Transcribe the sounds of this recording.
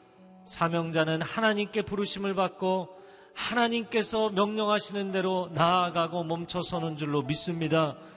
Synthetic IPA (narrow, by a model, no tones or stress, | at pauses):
sʰamjʌŋd͡ʑanɯnhanaɲimk͈e̞puɾɯɕʰimɯɭbak̚k͈o | hanaɲimk͈e̞sʰʌmjʌŋɲʌŋɦaɕʰinɯnde̞ɾonaːɡaɡomʌmt͡ɕʰʌsʰʌnɯnd͡ʑuɭːomis͈ɯmɲida